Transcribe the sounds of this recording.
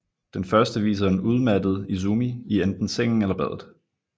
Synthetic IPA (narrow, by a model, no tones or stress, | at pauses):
d̥enfɶɐsd̥əʋḭːs̬ɐnuð̞ˠmædð̞̩ˠis̬umiiend̥n̩seŋ̰n̩elɐb̥æð̞̰ˠð̩ˠ